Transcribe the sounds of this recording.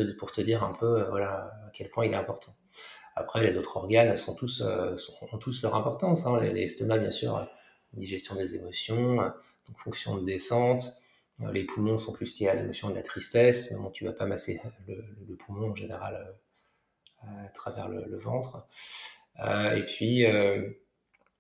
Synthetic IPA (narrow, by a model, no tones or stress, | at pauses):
əpuʁt̪əd̪iʁɛ̃pʰøøvwalaakʲɛlpwɛ̃ilɛt̪ɛ̃pɔʁt̪ʰɑ̃ | a̰pχɛlezot̪χɔʁɡansɔ̃t̪usø̰sɔ̃ːt̪uslœʁɛ̃pɔʁt̪ɑ̃sɛ̃lḛlest̪ɔnabjɛ̃sy̰ʁø̰ | ynd̪iʒɛst̪jɔ̃d̪ezemɔsjɔ̃ød̪̥ɔ̃kfɔ̃ksjɔ̃d̪esɑ̃t̪ | ø̰lʔepʰumɔ̃sɔ̃klyst̪ʲealemɔsjɔ̃d̪əlat̪χist̪ɛsmɛmɔ̃t̪ʰyvapamaselələləpʰumɔ̃ɑ̃ʒeneʁa̰lø | at̪χavɛ̰ʁlə̰ləvɑ̃t̪χ | øepɥiø